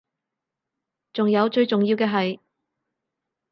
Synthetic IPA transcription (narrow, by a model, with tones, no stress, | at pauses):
t͡sʊ˨ŋjɐ˨˧wt͡ʃɵ˧ɥt͡sʊ˨ŋjiː˧wkɛː˧ɦɐ˨j